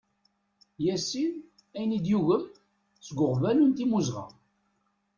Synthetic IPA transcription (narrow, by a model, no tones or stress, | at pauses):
jæsːin | æjnid̪juʝəm | sɡʷʊʁvælunt̪imuzʁɑ̰